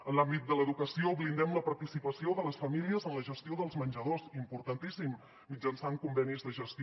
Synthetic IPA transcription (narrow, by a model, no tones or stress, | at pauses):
ənlambit̪̚d̪ələðukəsioβlind̪ɛmləpəɾt̪isipəsioðələsfəmiliəzənləʒəst̪ioðəlˠzmənʲd͡ʒəðosimpuɾt̪ənt̪isimː | id͡ʒənsaŋkumbɛnizðəʒəst̪i